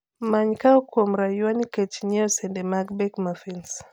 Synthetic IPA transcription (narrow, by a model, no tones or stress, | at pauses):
maɲkawkom̩ɾajaniket͡ʃiɲɛɔsɛndemaɡbɛkmafins